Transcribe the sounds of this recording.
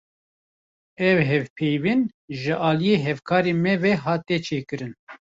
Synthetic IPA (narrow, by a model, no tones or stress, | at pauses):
ɛvɦɛvpʰejvin | ʒɨʔɑːlijeːɦɛvkʰɑːɾemɛvɛɦɑːt̪ɛt͡ʃʰeːkɨɾɨn